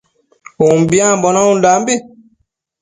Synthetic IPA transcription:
umbiãbɔnãũndambi

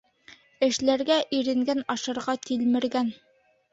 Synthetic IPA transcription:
ɘ̆ʃlæɾɡæʔiɾɘ̆ŋɡænɑʃɤ̆ɾʁɑt̪ilmɘ̆ɾɡæn

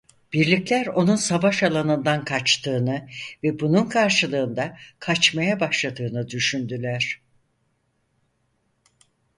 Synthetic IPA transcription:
b̥iɾlʲiclʲæɾo̞nunsavaʃalˠanɯnd̪ankʰat͡ʃt̪ʰɯːnɯvɛbununkʰaɾʃɯlˠɯːnd̪akʰat͡ʃmajabaʃlˠad̪ɯːnɯd̪yʃynd̪ylʲæɾ̥

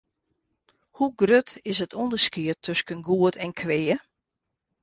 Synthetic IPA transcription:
huɡrøtɪsətʰɔndəskiətʰːøskənɡuətʰɛnkʰʋeːə

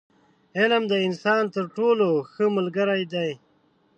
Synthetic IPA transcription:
ɪlmd̪əɪnsɑːnt̪əɾʈoːloxəməlɡəɾajd̪aj

